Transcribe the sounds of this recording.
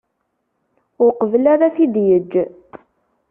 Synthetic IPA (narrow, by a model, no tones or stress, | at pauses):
ʊɾqəvəlaɾaθid̪jəd͡ʒː